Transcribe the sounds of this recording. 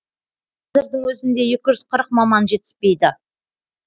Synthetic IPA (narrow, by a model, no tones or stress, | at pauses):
qʰɑzɪɾd̪ɪŋwɵzɪnd̪e̞jekʲɪʒʏz̥qʰəɾəq̚mɑmɑnʒe̞t̪ɪ̥spe̞jd̪ɪ